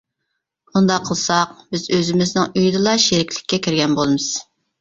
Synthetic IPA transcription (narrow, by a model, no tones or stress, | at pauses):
und̪ɑqʰːəlˠsɑqbɪzøzɪmɪznɪŋyjd̪ɨlˠɑʃeɾɪkʲʰlɪ̥kʲːɛkʲʰiɾɡʲɛnbolˠɨmɨz̥